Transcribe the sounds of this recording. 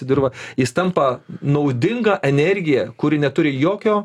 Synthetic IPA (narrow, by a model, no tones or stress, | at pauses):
ɪd̪ʲɪrʋɐjɪst̪ɐmpɐnɐʊd̪ʲɪŋɡɐʔɛnʲɛɾʲɡʲɪjɛkʊɾʲɪnʲɛt̪ʊɾʲɪjoːkʲoː